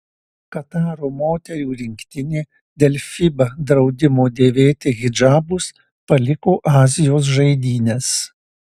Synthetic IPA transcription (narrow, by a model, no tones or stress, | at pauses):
kɐt̪ɑːɾoːmoːt̪ʲɛɾʲuːɾʲɪŋʲkt̪ʲɪnʲeː | d̪ʲɛlʲfʲibɐd̪ɾɒʊd̪ʲɪmoːd̪ʲeːʋʲeːt̪ʲɪɣʲɪd͡ʒɑːbʊs | pɐlʲɪkoːʔɑːzʲɪjoːs̬ʒɐɪd̪ʲiːnʲɛs